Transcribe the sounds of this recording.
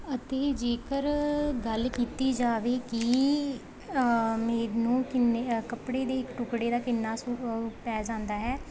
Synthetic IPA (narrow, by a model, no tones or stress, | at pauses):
ət̪eːd͡ʒeːkəɾɡəlkiːt̪iːd͡ʒaːʋeːki | meːɾnũːkɪnkəpɽeːd̪eːɪkʈʊkɽeːd̪aːkɪnːaːsupɛːzãːnd̪aːɦɛː